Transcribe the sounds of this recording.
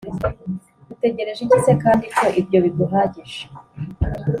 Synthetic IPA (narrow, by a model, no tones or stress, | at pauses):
d̥ute̞ɟe̞ɾe̞ʒiɟisekaːndiko̞ʔibjo̞βiɡuɦaːɟiʒe̥